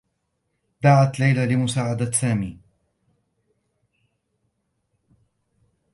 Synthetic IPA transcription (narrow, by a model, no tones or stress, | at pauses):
d̪aʕat̪lajlalɪmʊsaːʕad̪asaːmiː